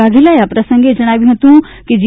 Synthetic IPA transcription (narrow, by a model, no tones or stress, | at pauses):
aːd̪ʱilajapɾɐsə̃ŋɡed͡ʒɐɽ̃aːʋĩɦɐt̪ũ | kid͡ʒi